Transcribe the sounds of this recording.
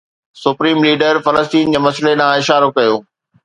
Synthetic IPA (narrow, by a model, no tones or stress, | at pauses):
sʊpɾiːmliːɖəɾfɐləst̪iːnd͡ʑeːmɐsleɗãɪʃaːɾokɐjoː